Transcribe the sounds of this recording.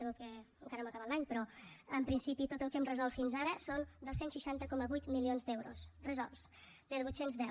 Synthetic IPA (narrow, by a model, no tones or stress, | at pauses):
əβɛlkɛəŋkaɾnoməkaβatlˠaɲpɾɔəmpɾinsipit̪ot̪əlˠkɛmrəzɔlˠt̪finzaɾəsond̪osensʃiʃant̪əkɔməβujt̪milionzd̪ɛwɾṵsrəzɔlˠs | melˠβut̪senzðɛw